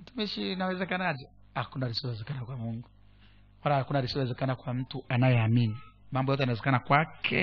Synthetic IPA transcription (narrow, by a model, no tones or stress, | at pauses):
m̩tumiʃinawɛzɛkanad͡ʒɛ | hakunaɾisiɛzɛkanakwamuŋɡu | walahakunaɾisiɔɛzɛkanakwam̩tuanajɛaminimambɔjɔtɛanawɛzɛkanakwakʰɛ